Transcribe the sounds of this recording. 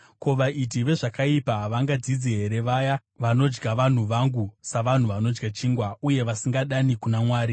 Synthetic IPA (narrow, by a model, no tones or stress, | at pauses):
ko̞ʋaʔit̬iʋe̞ʐakaipaʋaŋɡad͡zid͡ziɦe̞ɾe̞ʋaja | ʋano̞d͡ʒɡaʋan̤uʋaŋɡusaʋan̤uʋano̞d͡ʒɡat͡ʃiːŋɡwauje̞ʋasiŋɡaɗanikunamwaːɾi